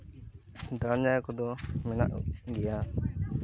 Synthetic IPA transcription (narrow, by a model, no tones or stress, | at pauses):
d̪ɾad͡ʒajɔkɔd̪ɔmɛna̰ʔɡɛja